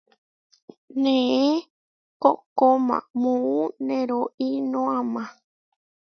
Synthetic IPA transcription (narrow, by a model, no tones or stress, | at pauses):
nẽe | kokomã̰mũũnẽɾoʔinõãmã